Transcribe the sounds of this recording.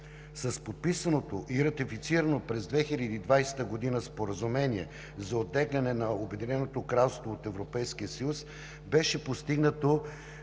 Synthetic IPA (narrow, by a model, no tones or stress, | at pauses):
sɐspot̪̚pisənot̪oʔiɾɐt̪ifit̪siɾənopɾɛzd̪vɛxilʲəd̪iːd̪vajsɛ̥t̪əɡod̪inəspoɾəzumɛniɛ | zɐot̪ːɛɡlʲɐnɛnɐobɛd̪inɛnot̪okɾalˠst̪voot̪ɛvɾopɛjskiəsəjus | bɛʃɛpost̪iɡnət̪o